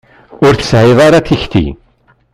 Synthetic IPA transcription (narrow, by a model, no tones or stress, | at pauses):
ʊɾθə̥sʕɪðˤaɾaθiçt̪ḭ